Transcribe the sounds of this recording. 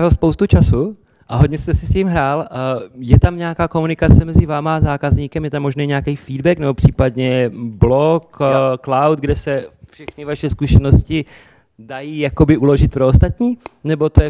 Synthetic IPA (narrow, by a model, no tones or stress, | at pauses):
valspo̞wst̪ut͡ʃasu | ʔaɦoɟɲɛst̪ɛsɪsciːmɦɾaːljɛt̪amɲɛakaːko̞munɪkat͡sɛmɛzɪvaːmaazaːkazɲiːkɛmjɛt̪amːoʒnɛːɲɛakɛjfiːdbɛknɛbopr̥iːpadɲɛblokklawt̪̚ɡdɛsɛfʃɛxnɪvaʃɛskuʃɛno̞scɪ | dajiːjakobɪʔulo̞ʒɪt̪̚pɾoost̪at̪ɲiːnɛbo̞t̪ojɛ